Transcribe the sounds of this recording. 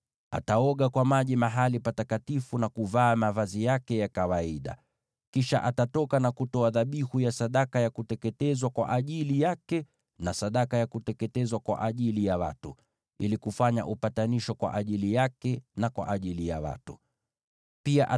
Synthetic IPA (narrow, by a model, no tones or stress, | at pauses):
a̰taɔɠakwamaʄimaɦalipatakatifunakuvaːmavazijakɛjakawaiɗa̰ | kiʃaʔatatɔkanakutɔaðaɓihujasaɗakajakutɛkɛtɛzwakwa̰ʔaʄilijakɛ | nasaɗakajakutɛkɛtɛzwakwa̰ʔaʄilijawa̰tu | ilikufaɲa̰ʔupataniʃɔkwa̰ʔaʄilijakɛnakwa̰ʔaʄilija̰wa̰tu | piaʔa